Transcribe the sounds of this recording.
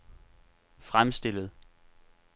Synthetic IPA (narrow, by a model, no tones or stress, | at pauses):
fʁamsd̥e̝ləð̞̩ˠ